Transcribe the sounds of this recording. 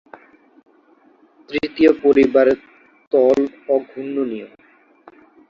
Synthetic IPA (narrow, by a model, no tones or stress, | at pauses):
t̪ɾit̪iopoɾibaɾe | t̪ɔlɔɡʱunːonijom